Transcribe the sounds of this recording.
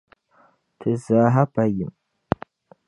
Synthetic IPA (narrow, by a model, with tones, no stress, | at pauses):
tʰɨ˨zaɦa˦pʰɐjɪ˨m